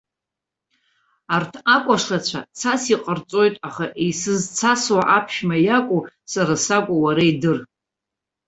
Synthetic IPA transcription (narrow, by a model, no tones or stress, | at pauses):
artʰakʷʼaʂlat͡ɕʷʰat͡sʰasiqʼərt͡sʼo̞jtʼaχaʔisɨzt͡sʰaswaʔapʰʃmajakʷʼu | saɾasakʷʼuwaɾaidɨr